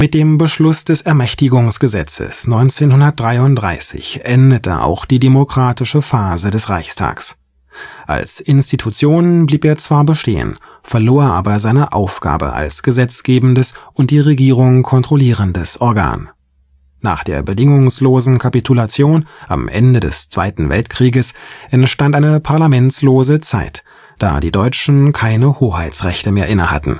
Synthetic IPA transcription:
mɪt̚d̥eːmbəʃlʊsd̥ɛsɛɐmɛçtɪɡʊŋsɡ̥əzɛ̰t͡sə̰snɔʏnt͡seːnhʊndɐt̚d̥ʁaɪʊnt̚d̥ʁa̰ɪsɪ̰çʔɛndətʰə̰ʔa̰ʊxd̥iːdemokʁ̥aːtɪʃəfaːzədɛsʁaɪçstʰa̰ːks | ʔa̰lsʔɪnstitʰut͡sjoːnbliːpeːɐt͡sv̥aːɐbəʃtḛːə̰n | fɛɐloːɐeːɐʔaːbɐzaɪnəʔaʊfɡ̥a̰ːbə̰ʔa̰lsɡ̥əzɛt͡sɡ̥eːbn̩dəsʔʊnt̚d̥iːʁeɡiːʁ̞ʊŋkʰɔntʁ̥oliːʁəndəsʔɔɐɡa̰ːnː | a̰ːχd̥eːɐbədɪŋʊŋsloːzn̩kʰapitʰulat͡sjoːnʔa̰mʔɛ̰ndədɛ̰st͡sv̥a̰ɪtn̩vɛ̰ltkʁ̥iːɡəsʔɛnʃtantʔaɪnəpʰaɐlamɛnt͡sloːzət͡sa̰ɪt | d̥a̰ːdḭːdɔʏt͡ʃn̩kʰaɪnəhoːhaɪt͡sʁɛçtəmeːɐʔɪnə̰ha̰tn̩

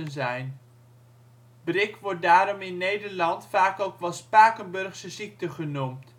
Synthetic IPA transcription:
ənzɛjn | brɪkʋɔɹt̚daːɾɔmɪnːejdəɹlɑntfaːkowkʋɛlˠspaːkənbɵrχsəsik̚təχənumt

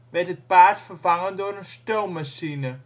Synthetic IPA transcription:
ʋɛɹtət̚paːtfəɹfɑŋəndoːɾənstowmmasinə

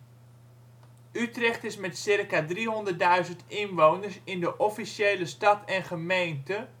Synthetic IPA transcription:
ʔytrɛχtɪsmɛtsɪrkadriɦɔndərt̚dœɥzəntɪnʋownərsɪndəʔɔfisjeːləstɑtɛnχəmejntə

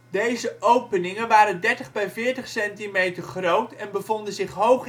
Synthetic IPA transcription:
dejzəʔowpənɪŋənʋaːɾəndɛɹtəχbɛjvɪːɹtəχsɛntimejtəɹχrowtɛnbəvɔndənzɪχɦowχ

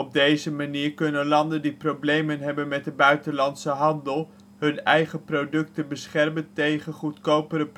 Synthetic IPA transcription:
ɔb̚dejzəmaniːɹkɵnənlɑndəndiprowblejmənɦɛbənmɛt̚dəbœɥtənlɑntsəɦɑndəlˠ | ɦɵnɛ̰jχəprodɵk̚tənbəsχɛrməntejχənχutkowpəɾəp

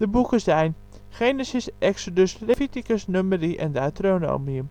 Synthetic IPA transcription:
d̥əbukəzɛjn | χenesisʔɛksodəslefitikəsnøməriʔɛ̰ndaːtrono̰miəm

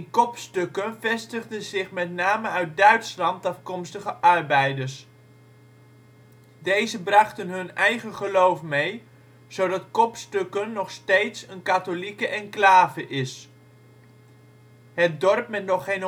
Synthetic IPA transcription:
nkɔpstɵkənvɛstəχdəzɪχmɛtnaːməœɥt̚dœɥtslɑntɑfkɔmstəχəʔɑrbɛjdəɹs | dejzəbrɑχtənɦɵnɛjχəχəlowfmej | z̥owdɑtkɔpstɵkənːɔχstejtsənkatolikəʔɛnklaːvəʔɪs | ɦət̚dɔrpmɛtnɔχejn

